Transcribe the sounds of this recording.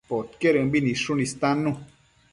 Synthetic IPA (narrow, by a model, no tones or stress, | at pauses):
pot̪keɾəbinĩʂunist̪ãnũ